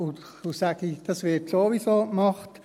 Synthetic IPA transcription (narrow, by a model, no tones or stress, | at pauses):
ʊnt | usæɡ̥id̥ɑsʋɪtsoʋisoːkmɑχt